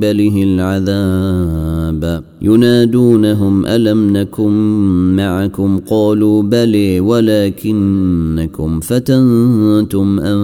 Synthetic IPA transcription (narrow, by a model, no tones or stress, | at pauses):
balɪɦɪlʕaðaː | b | jʊnaːd̪uːnaɦʊmʔa̰lamnakʊnːaʕakʊmqɑːluːbaleːwalaːkɪnːakʊmfat̪ant̪ʊmʔa